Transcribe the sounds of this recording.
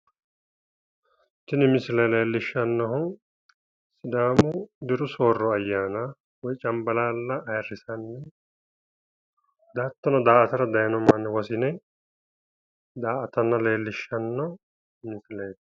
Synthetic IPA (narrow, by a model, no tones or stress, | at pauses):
t̪ɪnɪmɪsɪlɐjle̞ːlːɪʃːɐnːɔɦʊn | sɪd̪aːmʊd̪ɪɾʊso̞ːrːɔɐjːaːna | wɔjt͡ʃʼɐmbɐlaːlːɐʔːjrːɪsɐnːɛ | d̪aːt̪ːɐnɔd̪aːɐt̪ɐɾɐd̪ɐjɐnɔmaːnːɛwɐsɪnɛ | d̪aːʔɐt̪ɐnːɐle̞ːlːɪʃːɐnːɔ | mɪsɪlɐj